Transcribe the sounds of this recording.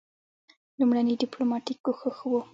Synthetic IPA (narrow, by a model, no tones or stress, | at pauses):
lumɽanəɖɪplomɑʈikːoxəxəwu